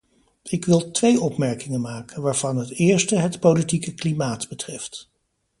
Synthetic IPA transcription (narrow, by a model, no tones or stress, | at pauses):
ɪkʋɪlˠtʋejʔɔpmɛɹkɪŋənmaːkənʋaːɹv̥ɑnɦətɪːɹstəɦətpowlitikəklimaːtbətrɛft